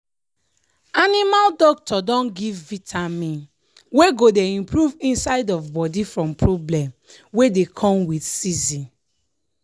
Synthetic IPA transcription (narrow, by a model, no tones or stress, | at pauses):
animaldɔk̚tʰɔdɔ̃nɡivːitʰamĩn | weɡodeĩmpʰɹuvĩnsaɪdɔvbɔdifɹɔ̃mpʰɹoblɛ̃m | wedekʰɔ̃mwidsizĩn